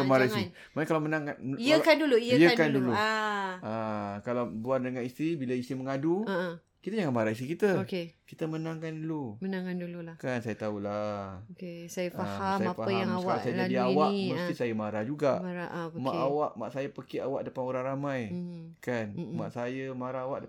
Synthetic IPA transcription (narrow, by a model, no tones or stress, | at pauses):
kəmaɾaii | mankalawmənaŋkaəkanduluijəjəkandulu | akalawbuardəŋanist̪ɾibilaist̪iməŋadu | kit̪əɲaŋanmaɾais̬ikit̪əokekit̪əmənaŋkandulumənaŋandululakansajət̪aulaokesajəfaahasajafaajaŋawaalasajəd͡ʒadiawaməst̪isajəmaɾahd͡ʒuɡaʔmaɾaʔmaʔawaʔma̰ʔsajəpəkiawaʔdəpanoɾaŋɾamãjkanma̰ʔsajəmaɾaawaʔdə